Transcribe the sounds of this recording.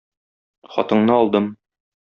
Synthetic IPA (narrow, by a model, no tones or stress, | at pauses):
χɒ̰t̪ɤ̆ɴnɤɒlˠd̪ɤm